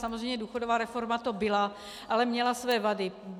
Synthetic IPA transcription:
samozrɛjmɲɛduːxodovaːɾɛfo̞ɾmat̪o̞bɪla | ʔalɛmɲɛlasvɛːvadɪ

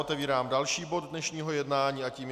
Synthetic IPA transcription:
ot̪ɛviːɾaːmdalʃiːbod̪ːɲɛʃɲiːɦojɛd̪naːɲiːaciːm

